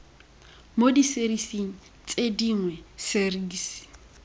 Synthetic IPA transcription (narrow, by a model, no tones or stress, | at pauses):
modiseɾisiŋ̩ | t͡sʼediŋwɛseriːsi̥